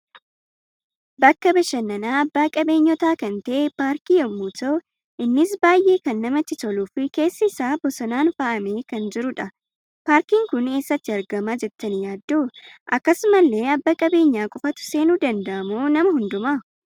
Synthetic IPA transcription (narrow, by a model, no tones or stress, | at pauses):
bɐkːɐbɐʃɐnːɐnaːɐbːaːkʼɐbe̞ːɲːɔt̪aːkɐnt̪ɐʔpaːɾkiːjɛmːuːt̪o | ʔɪnːɪsbaːjʔe̞ːkɐnːɐmɐt̪ːɪt̪ɔluːfɪke̞ːsːɐɪsaːbɔsɔnaːnfaʔɐme̞ːkɐnd͡ʒɪɾʊᶑɐ | paːɾkiːŋkʊne̞ːsːɐt̪ːɪɐɾɡɐmaːd͡ʒɛt̪ːɐnjaːd̪ːoːʔɐkːɐsʊmɐlːe̞ːɐbːɐkʼɐbe̞ːɲːaːkʼɔfɐt̪ʊ̥se̞ːnuːd̪ɐnd̪ɐʔɐmoːnɐmɐɦʊnd̪ʊma